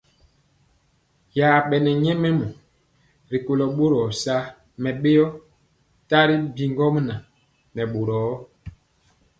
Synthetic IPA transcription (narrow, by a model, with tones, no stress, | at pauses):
jaː˨ɓɛ˨nɛ˨ɲɛ˦mɛ˦mɔ˨ | ɾi˨ko˨lɔ˨ɓo˦ɾɔ˨sa˦ | mɛ˨ɓe˦jɔ˦ | ta˦ɾi˦bi˨ŋɡɔ˦m˦na˨ | nɛ˨ɓo˨ɾɔː˨˦